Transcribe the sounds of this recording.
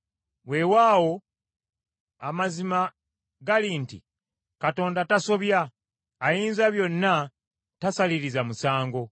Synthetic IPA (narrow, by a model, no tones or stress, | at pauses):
we̞waːwo̞ | amazima | ɡalintḭ | kato̞ːndataso̞βjaː | jiːnzaβjo̞nːa | tasaliɾizamusaːŋɡo̞